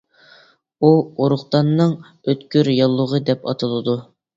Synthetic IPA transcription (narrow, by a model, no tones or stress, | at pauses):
uoɾʊχt̪ɑnːɨŋ | øt̪kʲyɾjɑlˠːʊʁəd̪ɛpɑt̪ʰɨlˠɨd̪u